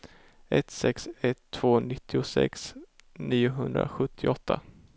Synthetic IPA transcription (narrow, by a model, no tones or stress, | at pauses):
ʔɛt̪sɛksɛt̪ʰːv̥oːnɪt̪ʰːɪʊsɛ̰ksniːʊɦɵnd̪ɾa̰ɧɵt̪ʰːɪɔt̪ʰːa